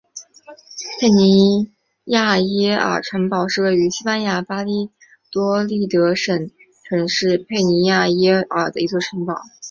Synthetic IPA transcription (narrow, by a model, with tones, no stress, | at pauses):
pʰe˥˩ɪni˧˥ | ja˥˩jɛ˥ə̰˞˨˩ʈ͡ʂʰwa˧˥npɑ˨˩ʊʂɻ̩˥˧we˥˩ɪy˧˥ɕi˥pa˥nja˧˥pa˥li˥ | t̪wɔ˥li˥˩t̪ɤ˧˥ʂə˨˩˦n | kʰɤ˨˧˩nə˧˥ŋʂɻ̩˥˧pʰe˥˩ɪni˧˥ja˥˩jɛ˥ə˞˨˩d̪ə˦i˧˥t͡swɔ˥˩ʈ͡ʂʰɤ˧˥ŋpɑ˨˩˦ʊ